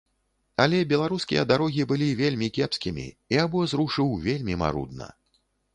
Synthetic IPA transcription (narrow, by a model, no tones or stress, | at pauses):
ɐlʲɛbʲɛlˠaɾuskʲḭjɐd̪aɾɔɣʲibɨlʲivʲelʲmʲikʲɛpskʲimʲḭ | iabɔzɾuʂɨwvʲelʲmʲima̰ɾṵd̪̚nɐ̰